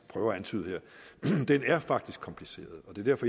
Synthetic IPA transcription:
pʰʁœːʊɐæænt͡sʰy̰ːð̞̩̰ˠheɐ̰d̥enæɐfɑ̈ɡ̥̚d̥isɡ̥kʰɒ̽mpʰlise̝̰ːɐð̞ˠɒd̥e̝ɐd̥æɐfɒ̽

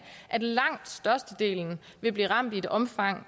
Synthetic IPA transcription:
ʔæd̥lɑ̈ŋ̰d̥sd̥ɶɐsd̥əd̥e̝̰ːln̩ | ʋe̝b̥liːʁɑ̈m̰d̥id̥ɒ̽mfɑ̈ŋ̰

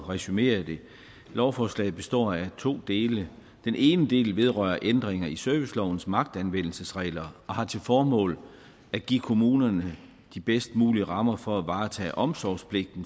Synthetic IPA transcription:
ʁɛsyme̝̰ːɐd̥e̝ | lɒʊfɒːslɛ̰ɪð̩ˠb̥e̝sd̥ɒ̰ːæt͡sʰo̝̰ːd̥e̝ːlə | d̥enʔe̝ːnəd̥e̝̰ːlʋe̝ð̞ˠʁɶ̰ɐʔend̥ʁeŋɐisœɐʋislɒʊn̩smɑ̈ɡ̥̚d̥ænʋen̰l̩səsʁɛ̰ːlɐɒ̽hɑ̈t͡sʰe̝lfɒːmɔ̰̽ːl | æɡ̥iːkʰo̝muːnɐnə | d̥ib̥esd̥muːliəʁɑ̈mɐfɒ̽æʋɑ̈ːt͡sʰɛ̰ːʔɒ̽msɒspʰle̝ɡ̥̚d̥n̩

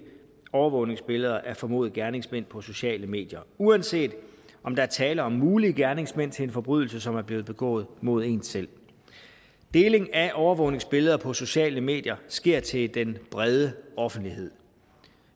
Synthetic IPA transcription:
ɒʊɐʋɔ̰ʊne̝ŋsb̥e̝ləð̞ˠɐʔæɐfɒ̽mo̝̰ːð̩ˠɡ̥æɐne̝ŋsmen̰pʰɒ̽so̝ɕɛ̰ːləme̝̰ːd̥jɐuænse̝̰ːd̥ɒ̽md̥ɑ̈æɐt͡sʰɛːlɐɒ̽mːuːliəɡ̥æɐne̝ŋsmen̰t͡sʰe̝le̝nfɒ̽b̥ʁyð̞ˠl̩səsɒ̽mæɐb̥le̝ːð̩ˠb̥e̝ɡ̥ɔ̰ːð̞̩ˠmo̝ð̞̰ˠe̝̰ːn̥sel̰ | d̥e̝ːle̝ŋæʔɒʊɐʋɔ̽ʊne̝ŋsb̥e̝ləð̞ˠɐpʰɒ̽so̝ɕɛ̰ːləme̝̰ːd̥jɐsɡ̥e̝ɐ̰t͡sʰe̝ld̥enb̥ʁɛð̞ˠəɒ̽fn̩d̥lihe̝ð̰ˠ

